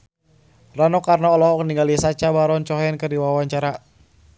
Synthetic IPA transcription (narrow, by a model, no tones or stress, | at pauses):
ranɔkarnaɔlɔɦɔkniŋɡalisat͡ʃabaɾɔnt͡ʃɔɦɛnkərdiwawaɲt͡ʃaɾa